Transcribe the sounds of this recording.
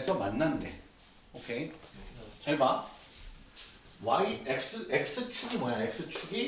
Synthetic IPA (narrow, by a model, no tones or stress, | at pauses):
sʰʌmanːannde̞ | okʰe | t͡ɕʌɭma | waiek̚s͈ɯʔek̚s͈ɯt͡ɕʰuɡimʌjaek̚s͈ɯt͡ɕʰuɡi